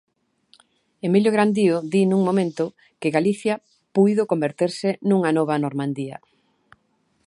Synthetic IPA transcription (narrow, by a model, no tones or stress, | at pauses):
emiljoɣɾand̪ioðinũŋmomẽnt̪ʊ | kɪɣaliθjɐ | pujðokombeɾt̪eɾsɪnuŋɐnɔβ̞ɐnoɾmãnd̪iɐ̰